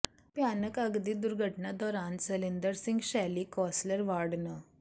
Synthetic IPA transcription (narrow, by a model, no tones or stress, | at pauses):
pjanəkəɡd̪iːd̪uɾɡʱəʈnad̪ɔɾant͡səlind̪əɾsiŋɡɕalikɔsləɾʋaɽnə